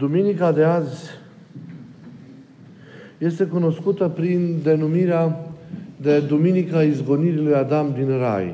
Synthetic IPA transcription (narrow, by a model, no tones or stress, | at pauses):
d̪uminikad̪e̞azʲ | je̞st̪e̞kuno̞skut̪əpɾind̪e̞numiɾea | d̪ed̪uminikaizɡo̞niɾilujad̪amd̪inra̰j